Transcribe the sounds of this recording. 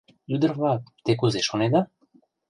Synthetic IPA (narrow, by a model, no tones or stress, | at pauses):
jud̪rvat̪ɛkuzɛʃɔnɛd̪a